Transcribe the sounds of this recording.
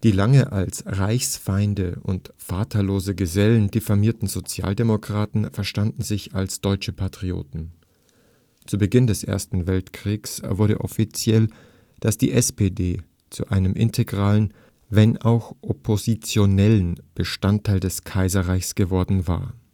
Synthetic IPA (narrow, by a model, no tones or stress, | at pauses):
d̥iːlaŋəʔalsʁaɪçsfaɪndəʔʊ̰ntfaːtʰɐloːzəɡəzɛlən̩dɪfamiːɐtn̩zot͡sja̰ːldemokʁ̥aːtn̩fɛɐʃtandn̩zɪçalsd̥ɔʏt͡ʃəpʰatʁ̥io̰ːtn̩ | t͡subəɡɪndɛsʔḛːɐstn̩vɛltkʁ̥iːksvʊɐɾə̰ʔɔfit͡sjɛl | d̥asd̥ḭːʔɛspeːdeː | t͡sṵʔaɪnəmʔɪ̰ntʰeɡʁaːlən | vɛnaʊxʔopʰozit͡sjonɛlənb̥əʃtantʰːaɪldɛskʰaɪzɐʁaɪçsɡ̥əvɔɐdn̩va̰ːɐ